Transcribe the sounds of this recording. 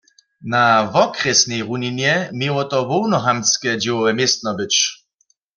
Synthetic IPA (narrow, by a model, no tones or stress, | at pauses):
navɔkʁɛsnɛjʁuninjɛmjewɔt̪ɔʋɔwnɔɦamskɛd͡ʑɪwɔʋɛmjest̪̚nɔbɪt͡ʃ